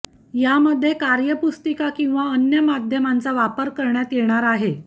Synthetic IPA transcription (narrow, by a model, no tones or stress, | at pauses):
jaməd̪ʱːjekaɾjəpust̪əkakĩw̃ʋaənjəmad̪ʱjəmant͡saʋapəɾkəɾɳjat̪jiɳ̃aɾaɦe